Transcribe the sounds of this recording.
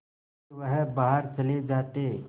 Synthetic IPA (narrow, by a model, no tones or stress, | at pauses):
ʋəɦbaɦəɾt͡ʃɐled͡ʒaːt̪e